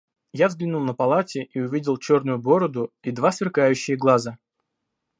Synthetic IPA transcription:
javzɡlʲinulˠnəpɐlˠatʲɪʔiʊvʲidʲɪlˠt͡ɕornʊjʊbo̞ɾəd̪ʊid̪vasvʲɪrkajʉɕːɪjəɡlˠazə

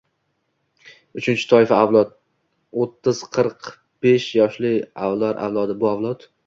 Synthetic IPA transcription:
ʊt͡ʃʰɪnt͡ʃʰɪ̥t̪ʰɒɪfaawlˠɒd̪̚ | ot̪ʰːɪz̥qʰɨɾq | b̥eʃjɒʃlɪawlˠaɾʔa̰wlˠɒd̪ɪbʊavlˠɒt̪

